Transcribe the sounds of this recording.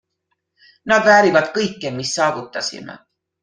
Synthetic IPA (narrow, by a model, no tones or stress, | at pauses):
nɑd̪væːɾivɑd̪̥kɤjkːemisːɑːvut̪ːˑɑsḭmḛ